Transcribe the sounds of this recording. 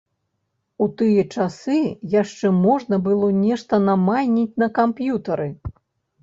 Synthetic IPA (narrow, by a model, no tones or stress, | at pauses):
ut̪ɨjɐt͡ʂasɨjaʂt͡ʂɛmɔʐnɐbɨlˠɔnʲɛʂt̪ɐnamajʲnʲit͡sʲnɐkampjut̪ɐɾɨ